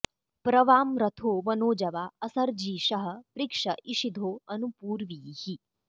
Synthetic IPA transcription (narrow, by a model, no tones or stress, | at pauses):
pɾɐʋaːmɾɐt̪ʰoːʋɐnoːd͡ʒɐʋaːɐsɐɾd͡ʒiːʃɐɦɐ̆pɾikʂɐʔiʃid̪ʱoːɐnupuːɾʋiːhi